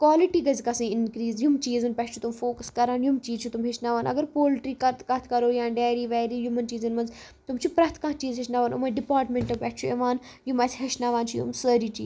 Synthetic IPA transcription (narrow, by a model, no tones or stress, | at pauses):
kʋaːliʈiːɡɐzkɐsĩːɪnkɾiːzjumt͡ʃiːzɐnpɛʈt͡ʃʰut̪umfoːkəskɐɾaːnjumt͡ʃiːzt͡ʃʰut̪umɦɪʃnaːʋaːnɐ̰ɡəɾpoːlʈɾiːkɐt̪kɐt̪ʰkɐɾoːjãːɳɖɛːɾiːʋɛːɾiːjumɐnt͡ʃiːzɐnmɐnz | t̪ʊmt͡ʃʰipɾɐt̪ʰkãt͡ʃiːzɦɪʃnaːʋaːnumɐɖɪpaːɾʈmẽɳʈɐpɛʈʰt͡ʃʰueʋaːn | jumɐsɦɐʃnaːʋaːnt͡ʃʰujṵmsəːɾiːt͡ʃḭː